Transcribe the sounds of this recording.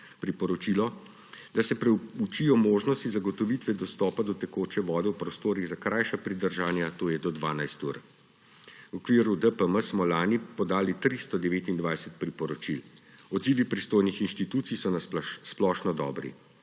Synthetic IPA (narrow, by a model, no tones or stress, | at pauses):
pɾipɔɾɔt͡ʃilɔ | d̪asɛpɾɛut͡ʃijɔmoːʒnɔst̪izaɡɔt̪ɔʋit̪ʋɛd̪ɔst̪ɔːpad̪ɔt̪ɛkoːt͡ʃɛʋɔːd̪ɛwpɾɔst̪oːɾiɣzakɾʔajʃapɾid̪əɾʒaːnjat̪oːjɛd̪ɔd̪ʋaːnajst̪ṵɾ | wɔkʋiːɾud̪əpəməsmɔlaːnipɔd̪aːlit̪ɾist̪ɔd̪ɛʋeːt̪ind̪ʋajsət̪̚pɾipɔɾɔt͡ʃilɔd̪ziːʋipɾist̪oːjnixinʃt̪it̪uːt̪sijsɔnasplɔʃnɔd̪ɔ̰ːbɾḭ